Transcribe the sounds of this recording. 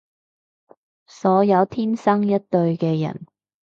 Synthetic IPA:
sɔː˨˥jɐ˨˧wt̪ʰiː˥nsɐ˥ŋjɐ˥t̚t̪ɵ˧ɥkɛː˧jɐ̰˨˩n

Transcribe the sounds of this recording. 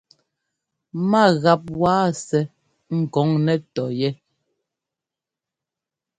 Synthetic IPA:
ma˦˨ɣa˨p̚waː˦sɛ˨ | ŋ̩˨kɔ˨˦ŋnɛ˦tɔ˨jɛ˦

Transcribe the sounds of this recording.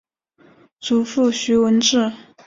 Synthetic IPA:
t͡su˨˩fu˥˩ɕy˧˥wə˧˥nʈ͡ʂɻ̩˥˩

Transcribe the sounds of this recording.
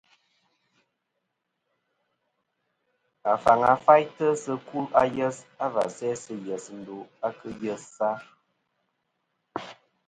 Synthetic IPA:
a˨fa˨ŋa˨fa˦jtə˦sə˦ku˦a˦jə˦sa˦va̰˨sɛ˦sə˦jɛ˨sn̩˨du˨a˦kɨ˦jə˦ssa˦

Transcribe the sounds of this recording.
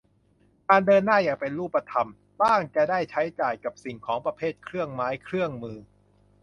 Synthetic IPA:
kaː˧ndɤː˧nːaː˥˩jaː˨˩ŋpe˧nɾuː˥˩pːa˧t̪ʰa˧m | baː˥˩ŋt͡ɕa˧˩daː˥˩jt͡ɕʰa˦˥jt͡ɕaː˨˩jka˨˩p̚si˨˩ŋkʰɔː˩˦ŋpɾa˧pʰeː˥˩t̪̚kʰɾɯ˥˩əŋmaː˦˥jkʰɾɯ˥˩əŋmɯː˧

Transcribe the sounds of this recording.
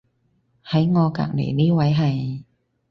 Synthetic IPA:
hɐ˨˦jŋɔː˨˧ka̰ː˨˩k̚nḛ˨˩jniː˥˩wɐ˨˥jɦɐ˨˩j

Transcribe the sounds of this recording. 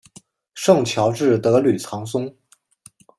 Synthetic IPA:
ʂɤ˥˩ŋt͡ɕʰjɑ˧˥ʊʈ͡ʂɻ̩˥˩t̪ɤ˧˥ly˨˩t͡sʰɑ˧˥ŋs̬ʊ˥ŋ

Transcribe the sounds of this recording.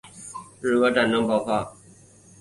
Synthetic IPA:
ɻɻ̩˥˧˩kɤ˧˥ʈ͡ʂa˨˩nnə˧˥ŋpɑ˥˧ʊxwa˥˨

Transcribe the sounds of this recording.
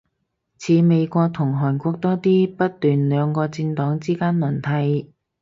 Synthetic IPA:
t͡sʰiː˨˧me˨˧jkʷɔː˧k̚t̪ʰʊ˨˩ŋɦɔː˨˩nkʷɔː˧k̚t̪ɔː˥t̪iː˥pɐ˥t̚t̪yː˨˩nlœː˨˧ŋkɔː˧t͡siː˧nt̪ɔː˨˥ŋt͡siː˥kaː˥nmɐ˨˩nt̪ʰɐ˨˧j

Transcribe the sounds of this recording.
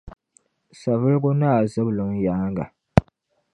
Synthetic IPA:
sa˨vɨ˦lɡʊ˦naː˦˨zɨ˦blɨ˨ŋja˦ŋɡa˨

